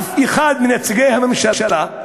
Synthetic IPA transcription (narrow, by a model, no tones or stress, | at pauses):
iχad̪̚minet͡siɡejhamemʃaʃala